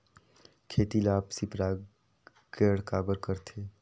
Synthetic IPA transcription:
kʰeːt̪ilaːpsipɾaː | ɡeɽkaːbəɾkəɾt̪ʰeː

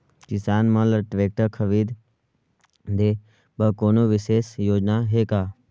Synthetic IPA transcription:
kɪsaːnmə̃ləʈʋeːk̚ʈəkʰəʋiːd̪ | d̪e | bəkoːnoʋɪseːsjoːd͡ʒnaɦeːkaː

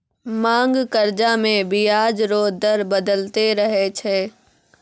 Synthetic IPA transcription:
mãːŋɡkɐɾd͡ʒamẽbijaːd͡ʒɾoːd̪əɾbɐd̪əlt̪eɾɐɦet͡ʃʰeː

